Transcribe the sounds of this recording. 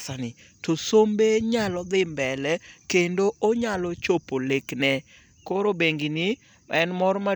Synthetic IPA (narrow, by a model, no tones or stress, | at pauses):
sanɪ | tosombeɲalɔd̪ɪmbɛlɛkendoʔoɲalɔt͡ʃopoleknɛ | koɾobeŋɡinɪ | ʔɛnmɔɾma